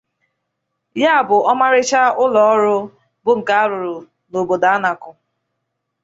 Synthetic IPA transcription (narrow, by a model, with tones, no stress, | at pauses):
ja˦a˨bʊ˨ɔ˦ma˦ɾɪ˦t͡ʃa˦ʊ˦lɔ˨ɔ˦ɾʊ˦ | bʊ˨ŋ̩˨ka˦ɾʊ˨ɾʊ˨ | no˨bo˨da˨a˦na˨kʊ˨